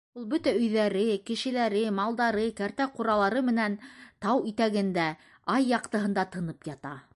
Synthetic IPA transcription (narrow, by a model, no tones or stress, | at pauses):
ulˠbɵt̪æɵ̆jðæɾɘkɘ̆ʃɘ̆læɾɘmɑlˠd̪ɑɾɤkæɾt̪æquɾɑlˠɑɾɤmɘ̆nænt̪ɑwit̪æɡɘ̆nd̪æ | ɑjːɑqt̪ɤ̆ɦɤ̆nd̪ɑt̪ɤ̆nɤpjɑt̪ɑ